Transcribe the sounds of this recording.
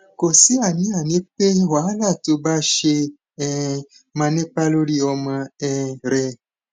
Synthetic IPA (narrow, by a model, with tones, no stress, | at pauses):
ko˨si˦a˨nĩ˨˦a˨nẽ˦pe˦wa˨˦la˦˨to˧ba˦ʃe˧ | ɛ˨ | mã˧nẽ˦k͡pa˦lo˦ɾi˦ɔ˧mã˧ɛ˦ɾɛ˧